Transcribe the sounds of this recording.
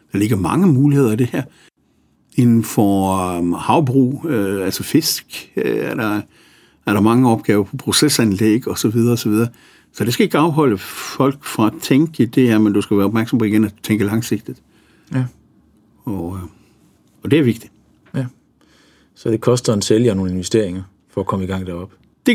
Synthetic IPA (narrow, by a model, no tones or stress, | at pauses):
d̥ɑ̈le̝ɡ̥ɐmɑ̈ŋəmuːlihe̝ðˠɐid̥e̝hæɐ̰ | e̝nn̩fɒ | hɑ̈ʊb̥ʁṵːøælsɒfe̝sɡ̥øæɐɾ̥ɑ | æɐɾɑ̈mɑ̈ŋəɒ̽b̥ɡ̥ɛːʊɐpʰɒ̽pʰʁo̝sesænleɡ̥ɒ̽sɒ̽ʋið̞ˠɐ̽ːsɒʋið̞ˠɐː | sɒ̽d̥e̝sɡ̥æe̝ɡ̥əɑ̈ʊɦɒ̽l̰əfɒ̽l̰ɡ̥fɑ̈æt͡sʰeŋɡ̥əid̥e̝æɐmend̥usɡ̥æʋæːɐɒb̥mæɐɡ̥sɒ̽mpʰɒ̽iɡ̥enæ̥t͡sʰeŋɡ̥əlɑ̈ŋse̝ɡ̥̚d̥id̥ | ɒ | ɒd̥e̝æɐʋe̝ɡ̥̚d̥id̥ | sɒd̥e̝kʰɒ̽sd̥ɐenseljəno̝ːn̩e̝nʋesd̥e̝ɐ̰eŋɐ | fɒækʰɒ̽məiɡ̥ɑ̈ŋ̰d̥æɐɒ̽b̥ | d̥e